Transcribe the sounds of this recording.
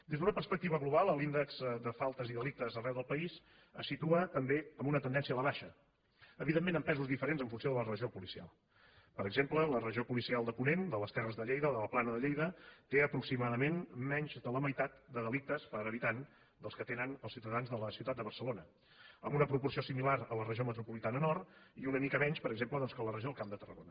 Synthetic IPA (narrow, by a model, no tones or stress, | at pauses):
d̪ezðunəpərspək̚t̪iβəɣluβalˠəlind̪əkz̥d̪əfalˠt̪əziðəlik̚t̪əzərɛwðəlˠpəis | əsːit̪uət̪əmbeəmbunət̪ənd̪ɛnsiəːləβaʃə | əβiðemːẽnəmpɛzuzðifəɾenzəɱfunsijoðələrəʒiopulisia̰lˠ | pəɾəɡzemplələrəʒiopulisialˠd̪əpunend̪ələst̪ɛrəzðəʎejðəoðələplanəðəʎejðət̪eəpɾuksimaðəmenmɛɲʲʒd̪ələməjt̪at̪d̪əðəlik̚t̪əspəɾəβit̪an | d̪əlˠskət̪enənəlˠsiuwt̪əðanzðələsiwt̪at̪̚d̪əβərsəlonə | ə̰mbunəpɾupursiosimilaɾələrəʒiomət̪ɾupulit̪anənɔrt̪iunəmikəmɛɲʃpəɾəɡzempləðɔnskələrəʒioəlˠkamd̪ət̪ərə̰ɣonə